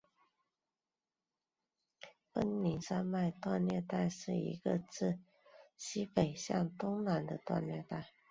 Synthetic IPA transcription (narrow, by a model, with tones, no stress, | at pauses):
fə˥nli˨˥nsa˥nma˥˧ɪt̪wa˥˧nlɥɛ˥˧t̪a˥˧ɪʂɻ̩˥˩ḭ˧˥ɡə̰˧t͡sɹ̩˥˩ | ɕi˥pe˨˩ɪɕjɑ̰˥˩ŋt̪ʊ˥ŋna˨˩nd̪ə˧t̪wa̰˥˧nlɥɛ˥˧t̪a˥˩ɪ